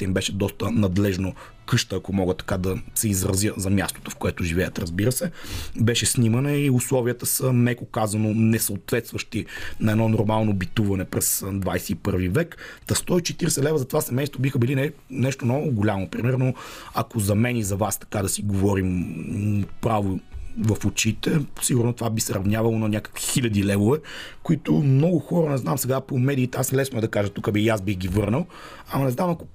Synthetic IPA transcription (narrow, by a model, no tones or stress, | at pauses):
t̪ɛimbɛʃɛd̪ɔst̪ənɐd̪lɛʒno | kɤʃt̪əːɐkomɔɡət̪ɐ̥kad̪ɐsɛizɾɐzjəzɐmʲjast̪o̥t̪ofkoɛt̪ʊʒivɛjət̪ɾɐzbiɾəsɛbɛʃɛsnimɐnɛiʊslˠɔviət̪əsənɛkokazɐnonɛsɐot̪vɛt̪st̪vəʃt̪inɐɛdnɔnʊɾmalˠnobit̪uvɐnɛpɾɛsd̪vajsɛipɤɾvivɛkt̪ɐst̪ɔit͡ʃɛt̪iɾɛsɛlɛvəzɐt̪ovasɛmɛjst̪vobixəbilinɛnɛʃt̪omnɔɡʊɡolʲamonpɾimɛɾnoɐkozɐmɛnizɐvast̪ɐ̥kad̪ɐsiɡovɔɾim | pɾavovɐfot͡ʃit̪ɛsiɡuɾnost̪ovabisɛɾɐvnʲjavɐlˠonɐnʲakə̥kvixilʲɐd̪ilɛvovɛkʊit̪ʊmnɔɡʊxɔɾɐnɛznamsɛɡapomɛd̪iːt̪ɛasmlɛsnʊɛd̪ɐkaʒət̪ukəbijasbixɡʲivɤɾnəlˠ | ɐmɐnɛznamɐko